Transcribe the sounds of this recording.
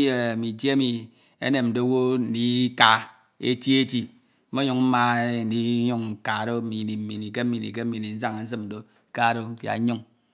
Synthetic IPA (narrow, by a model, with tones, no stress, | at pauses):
je˦˨mi˨tje˦e˦mi˨ | ḛ˦ne˨mn̩˨do˦wo˦n̩˦di˦ka˨ | ḛ˦tji˦e˦ti˦ | m̩˦mo˦ɲu˨ŋm̩˦ma˦˨n̩˨di˦ju˦ŋ˨ka˨ɾo˦m̩˦mi˨ni˨m̩˨mi˨ni˨ke˦m̩˦mi˨ḭ˨k̬e˦m̩˦mi˨ni˨n̩˦s̬a˦ŋe˨n̩˦s̬ɨ˦m˨n̩˨do˦ | ka˦˨ɾo˦fja̰˨˦ɲu˦ŋ